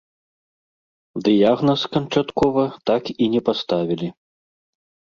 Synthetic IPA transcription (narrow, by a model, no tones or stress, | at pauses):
d̪ɨjaɣnɐskɐnt͡ʂat̪kɔvɐt̪akinʲɛpast̪avʲilʲi